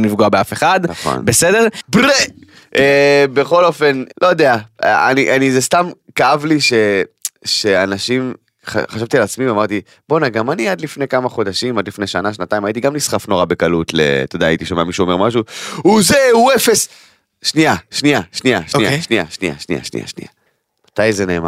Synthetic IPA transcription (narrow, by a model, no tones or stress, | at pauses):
nifɡoabeafeχad̪naχo̰nbesede̞ʁbʁe | ʔebe̞χo̞lo̞fe̞nlo̞jod̪eaa̰niʔanizest̪amkaavliʃe̞ʃe̞anaʃim | χa̰χaʃavt̪ialat͡smivamaʁt̪i | b̥onaɡamaniad̪lifne̞jkamaχo̞d̪aʃimad̪lifneʃanaʃ̬nat̪aimait̪iɡamlisχafno̞ʁabe̞kalut̪lḛt̪od̪aːit̪iʃomeamiʃuome̞ʁmaʃ̬uuzeuefes | ʃniaʃniaʃniaʃniaʃnia̰ʃnḭja̰ʃnia̰ʃnḭa̰ʃnḭja̰ | mat̪ajzene̞ːma̰